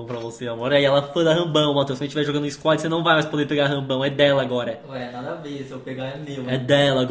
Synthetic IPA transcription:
pɾɐvoseamɔɾiaiɛlɐfojd̪ɐɦɐ̃bɐ̃w̃mat̪ewskɐ̃ẽt͡ʃivɛʒoɡɐ̃d̪ɪ̃iskwɔt͡ʃsenɐ̃w̃vajmɐjspod̪eɾpeɡaɦɐ̃bɐ̃w̃ɛd̪ɛlɐaɡɔɾɐ | ɛnad̪ɐvesewpeɡaɛnewɛd̪ɛlɐɡ

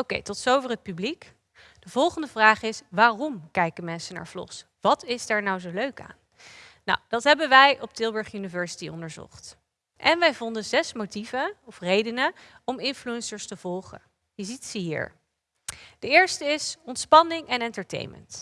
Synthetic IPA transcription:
owkḛjtɔtsowvərɦət̚pyblik | d̥əvɔlˠχəndəvraːχɪsʋaːrɔmkɛjkəmɛnsəna̰ːɹvlɔ̰χs | ʋɑtɪzdɛɹnawzowløɥka̰ːn | na̰wd̥ɑtɦɛbənʋɛjʔɔp̚tɪlˠbəɹχjynivɛɹsi̥tiɔ̰ndəɹzɔ̰χt | ʔɛnʋɛjvɔndənzɛsmotivəɔfrejdənə | ɔmɪnfluɛnsəɹstəv̥ɔlˠχə̰ | jəzitsəɦḭːɹ | d̥əɪːɹstəɪsɔntspɑnɪŋɛnɛntəɹtḛjnmə̰nt

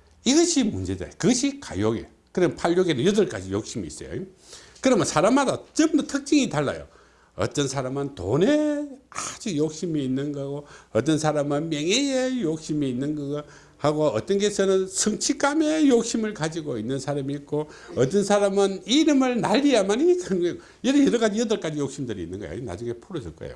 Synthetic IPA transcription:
iɡʌɕʰimund͡ʑe̞da̰jkɯɡʌɕʰika̰joɡḛ | kɯɾʌmpʰaʎjoɡenɯnjɯdɯɭk͈a̰d͡ʑijok̚ɕ͈imḭːs͈ʌ̰jo̰ | kɯɾʌmʌnsʰaɾamadot͡ɕʌmdotʰɯk̚t͡ɕ͈iŋitaɭːa̰jo̰ | ʌ̰t͈ʌnsʰaɾamɯnto̰nead͡ʑujok̚ɕimiːnːɯnɡʌaɡoʌt͈ʌnsʰaɾamɯnmjeŋejejok̚ɕ͈imiːnːɯnɡʌ | haɡoʌt͈ʌnɡesʰɯnɯnsʰɯŋt͡ɕʰik͈ame̞jok̚ɕ͈imɯɭkad͡ʑiɡoinːɯnsʰaɾamiːk͈o | ʌt͈ʌnsʰaɾamɯniɾɯmɯɭnaʎːijamanikanɡo | jʌdɯjʌɾʌɣad͡ʑijʌdɯɭk͈ad͡ʑijok̚ɕ͈imdɯɾiinːɯnɡʌ̰ja̰ina̰d͡ʑuŋe̞pʰuɾʌd͡ʑʌɭk͈a̰ḛjo̰

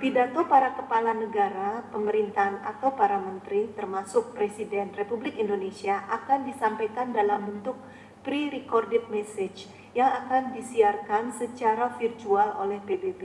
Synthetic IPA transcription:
pidat̪opaɾakəpalanəɡaɾapəməɾint̪aana̰t̪awpaɾamənt̪ɾit̪ərmasʊk̚pɾesidɛnrepublɪkindonesiaʔakandisampajkandalambənt̪ʊk̚ | pɾiɾikɔrdɪt̪̚mɛsɛd͡ʒ | jaŋakandisiarkansət͡ʃaɾafirt̪ualo̰lɛhpebebe

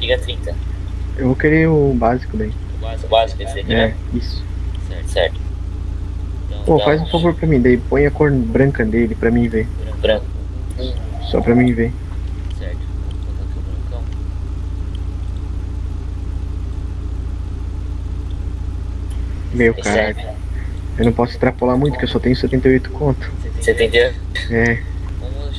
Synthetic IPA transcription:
iɡɐt̪ɾĩt̪ɐ | ewvokeɾeʊbazikʊd̪ɐi | bazk | eɛ | isʊ̥ɛɾsɛ̰ɾt̪ʊ̥ | ofajzʊ̃favoɾpɾɐmĩd̪aipõj̃ɐkoɾnɐbɾɐ̃kɐd̪elɪpɾɐmĩvẽ | bɾɐ̃k | sɔ̰pɾɐmĩvẽ | sɛɾt̪ | ɾɐ̃kɐ̃ | mejʊkaɾaʎʊ | ewnɐ̃w̃pɔsʊɪ̥ist̪ɾapolamũj̃t̪ʊkɪewsɔt̪ẽɲʊsɛt̪ẽnt̪ejojt̪ʊ̥kõnt̪ʊ̥sẽt̪ẽd͡ʒi | ɛ

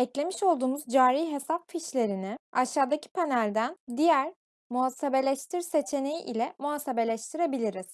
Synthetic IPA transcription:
ɛclʲe̞miʃo̞lˠd̪uːmuzd͡ʒaːɾiːɦe̞sapfiʃlʲe̞ɾinɪaʃaːd̪acʰi̥pʰanælʲd̪ænd̪ijæɾ | muasebe̞lʲɛʃt̪ʰiɾse̞t͡ʃʰe̞ne̞jiʔilʲɛmuasebe̞lʲɛʃt̪ʰiɾebilʲiɾiz̥

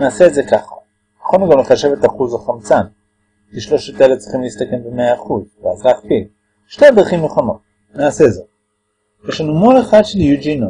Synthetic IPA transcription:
naːse̞ːdzekaχa | kaχonuɡamleχaʃevetaχuzaχamt͡san | kiʃlo̞ʃet̪elevtt͡si̥χimlistake̞mbemeaːχuzvea̰zlaːχpil | ʃte̞ad̪ʁaχimneχono̞t̚ | naːseːdze | jeʃlanumoleχadʃeljud͡ʒino

